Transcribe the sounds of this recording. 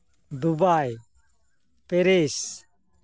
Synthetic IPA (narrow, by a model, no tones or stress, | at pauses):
d̪ubaj | pɛɾes